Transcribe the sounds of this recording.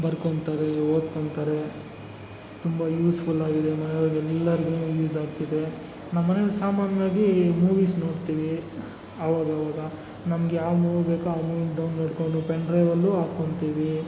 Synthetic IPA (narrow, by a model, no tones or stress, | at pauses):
bɐɾkoɳt̪aːɾeoːd̪koɳɖt̪aːɾe | t̪umbɐjuːspʰulaːɡid̪e̞nɐneʋaɡɛlːɐɾiɡunujuːsaːɡt̪id̪e̞ | namːɐnelsaːmaːnʋaːɡimuːʋiːsnoːɽt̪iːʋi | ɐʋaːɡɐʋaːɡɐ | nɐmɐɡejaːʋmuːʋbeːkuaːmuːiɖɐwnːoːɽkoɳɖupeɳɖɾeːʋɐlːuaːkoɳt̪iːʋi